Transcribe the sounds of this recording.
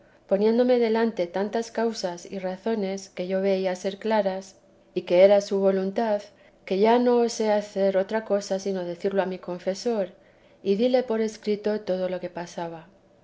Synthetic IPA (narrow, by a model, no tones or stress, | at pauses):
po̞nje̞nd̪o̞me̞ðe̞lant̪e̞t̪ant̪askawsasḭraθo̞ne̞ske̞ʝo̞βe̞iase̞ɾklaɾas | ike̞eɾasuβ̞o̞lunt̪að | ke̞ʝano̞ːse̞aθe̞ɾo̞t̪ɾako̞sasino̞ðe̞θiɾloamiko̞ɱfe̞so̞ɾ | iðile̞po̞ɾe̞skɾit̪o̞t̪o̞ð̞o̞lo̞ke̞pasaβ̞a